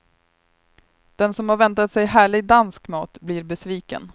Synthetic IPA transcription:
d̪̥ɛnsɔmhaɾvɛnt̪at̪sɛjɦæːɭɪɡ̚d̪anskmɑːt̪bliːɾbɛsviːkə̰n

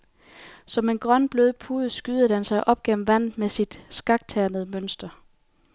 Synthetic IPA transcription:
sɒ̽me̝nɡ̥ʁɶnb̥løːð̞ˠpʰuːð̩ˠsɡ̥yːð̩ˠhænsɑ̈ɪʔɒ̽b̥̚ɡ̥en̰m̩ʋæn̰ð̩ˠmesid̥sɡ̥ɑ̈ɡ̥̚t͡sʰæɐnəð̩ˠmønsd̥ɐ

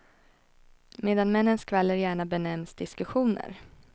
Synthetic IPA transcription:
meːd̪anmɛnːənskʰvɛlːəɾjæːɳabɛnɛmsd̪ɪskɵɧuːnə̰ɾ

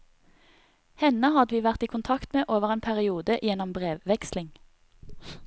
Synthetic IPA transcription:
hɛnəhɑd̪ʋiːʋæʁt̪iːkʰʊnt̪ʰɑkt̪meːʔoːʋəʁeːnpʰæʁɪuːd̪əʔjɛnɔmbʁeːʋʋɛkslɪŋ

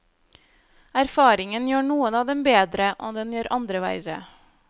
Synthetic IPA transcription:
æɾfɑːɾɪŋənjøːɳuːənɑːd̪ɛmbeːd̪ɾəʔɔːd̪ɛnjøːɾʔɑnd̪ɾəʋæ̰ɪɾə̰

